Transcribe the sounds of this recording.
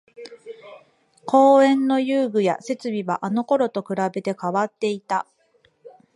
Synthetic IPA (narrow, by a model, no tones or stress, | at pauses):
kʰo̞ːẽ̞nːo̞jɯːɡɯ̟ja̰se̞t͡sɨbʲiβa̰ʔano̞ko̞ɾo̞t̪o̞kɯ̟ɾabe̞t̪e̞kaβat̪ːe̞it̪a